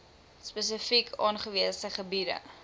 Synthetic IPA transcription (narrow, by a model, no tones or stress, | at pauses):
spɛs̬əfikʰɑːnχəviəsəχəbidə̰